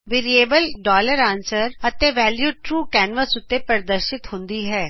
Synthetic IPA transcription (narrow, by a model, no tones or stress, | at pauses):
ʋɪɾieːbəlɖɔːləɾãːnsəɾət̪eːʋɛːljuːʈɾuːkɛːnʋəsʊt̪ːeːpəɾd̪əɾʃɪt̪hʊ̃nd̪iːɦɛː